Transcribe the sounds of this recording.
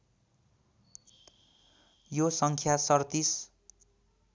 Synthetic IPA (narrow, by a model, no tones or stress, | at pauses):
josʌŋkʰjasʌrt̪is